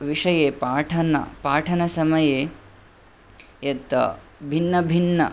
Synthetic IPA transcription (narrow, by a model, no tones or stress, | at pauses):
ʋiʂɐjeːpaːʈʰɐnɐ̰paːʈʰɐnɐsɐmɐjeː | jɐt̪ɐ̰ | bʱinːɐbʱinːɐ̰